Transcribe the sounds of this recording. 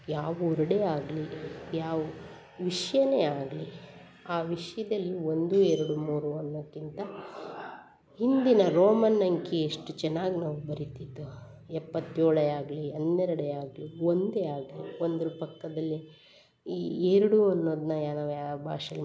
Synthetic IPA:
jaːʋuɔɾɐɽeːaːɡlijaːʋu | ʋiʂɐjɐneːaːɡli | aːʋiʂɐjɐd̪ɐlːio̞nd̪ueɾɐɽumuːɾuɐnːoːd̪kːint̪ɐ | hind̪inɐɾoːmɐnːɐŋkieʂʈut͡ʃɛnːaːɡinaːʋubɐɾit̪id̪ːu | ɛpːɐt̪ːjoːɭɐaːɡliɐnːeɾɐɽeaːɡliʋond̪eaːɡliond̪ɐɾupɐkːɐd̪ɐlːi | eɾɐɽuɐnːo̞ːd̪nɐjanaːʋjaːbʱa̰ːʂɐl

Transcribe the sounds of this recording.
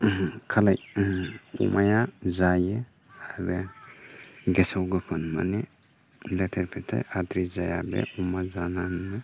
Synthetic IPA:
kʰalaj | ṵmajazaje | aabɛ | ɡɛsawɡɯpʰɯnma̰ni | lɛt̪ʰeɾpʰɛtʰḛad̪ɾizajabɛ̰umazanannɯ

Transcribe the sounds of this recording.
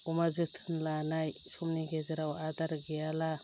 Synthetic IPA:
umazɯtʰɯnlanajsɔmniɡezɯɾawadaɾɡeala

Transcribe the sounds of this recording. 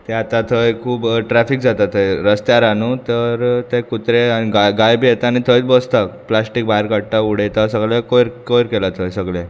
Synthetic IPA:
t̪eat̪at̪ʰəjkʰuːbʈɾɛfik̚d͡zat̪at̪ʰojɾəst̪jaɾanut̪əɾt̪ekut̪ɾeaiɡaɡajbʱijet̪aañit̪ʰəit͡sbost̪aplasʈik̚baɦiɾkəɽʈauɽ̤et̪asəɡɭekojɾkojɾkelat̪ʰojsəɡle

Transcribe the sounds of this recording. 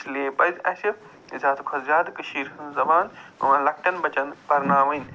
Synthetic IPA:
sleːpɐzʲɐ̰sʲi | zʲaːt̪kʰɐzɾʲaːd̪kɨʃiːɾɦɨnzɐbaːnɐ̰ʋãːlɐk̚ʈɐnbɐt͡ʃɐnbɐɾnaːmɐn

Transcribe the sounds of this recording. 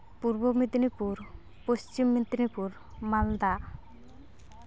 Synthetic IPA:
puɾbomid̪nipuɾ | post͡ɕimːid̪nipuɾ | mald̪a

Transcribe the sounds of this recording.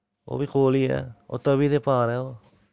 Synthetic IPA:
o̰βikolia̰o̰t̪aβiðepaɾeo

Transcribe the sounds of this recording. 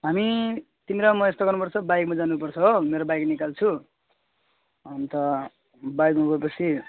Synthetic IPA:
ɦami | t̪imeɾʌmʌest̪oɡʌrnupʌrt͡sʰʌbajɡmad͡zanupʌrt͡sʰʌɦomeɾobajɡnikalt͡sʰu | ʌnt̪ʌ | bajɡmabʱʌepʌt͡sʰi

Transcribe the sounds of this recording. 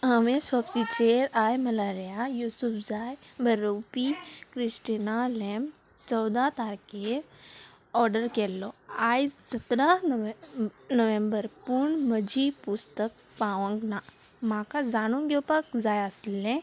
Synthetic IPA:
ɦəmẽsɔbsit͡ʃeːɾaːjmɐlaɾijajuːsupʰzaːjbʱɐɾopikɾɪsʈinaleːm | t͡ʃɔːd̪at̪aːɾke | ɔːɾɖəɾkeːlːoaːjsət̪ɾa | nəʋẽmbəɾpʊɳməd͡ʒipʊst̪ək̚ | paːʋə̃ŋɡna | mãːkazaːnũŋɡeopəkzaːjaslːẽ

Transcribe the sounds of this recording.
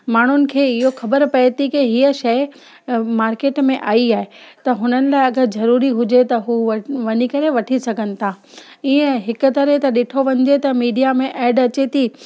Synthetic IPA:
maːɳ̤ʊnɪ̆kʰeːɪɦoxɐbəɾpɐjt̪ʰikeɦiəʃɐj | maːɾkeːʈmẽʔaːiaːɦet̪ɐɦʊnənɪ̆laːɪɐɡəɾzɐɾuːɾiɦʊd͡ʑet̪ɐɦuːʋɐʋɐnikɐɾeʋɐʈʰisɐɡʱənɪ̆t̪ʰaː | iːə̃ɦɪkʊ̆t̪ɐɾɦet̪ɐɗɪʈʰoʋɐ̃ɲɪ̆d͡ʑet̪ɐmiːɖijamẽʔɛːɖɐt͡ɕet̪ʰiː

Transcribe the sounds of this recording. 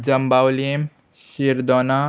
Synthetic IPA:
d͡ʒɐmbawlem | siɾd̪ɔna

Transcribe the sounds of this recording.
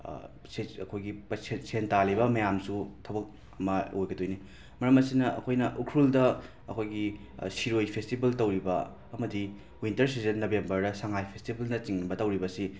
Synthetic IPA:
seɐkʰojɡipɐsʰensentalibɐmɐjamsutʰɐbɐk̚ | ɐmɐojɡɐdojni | mɐɾɐmɐsinɐʔɐ̰kʰojnɐʔukʰɾuldɐ | ɐ̰kʰojɡi | siɾojpʰestibɐltɐwɾibɐ | ɐmɐdi | wintɐɾs̬izɐnːobembɐɾdɐsaŋajpʰestibɐlnɐt͡ʃiŋnɐbɐtɐwɾibɐsi

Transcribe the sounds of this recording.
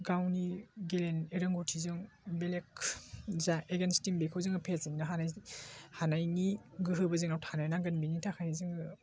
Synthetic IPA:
ɡawniɡeleneɾɯŋɡotʰizɯŋ | belekzaeɡenstimbekʰɯwzɯŋɯpʰeziŋnɯɦanajhanajniɡɯɦɯbɯzɯŋnawtʰanajnaɡɯnbinitʰakʰajizɯŋɯ

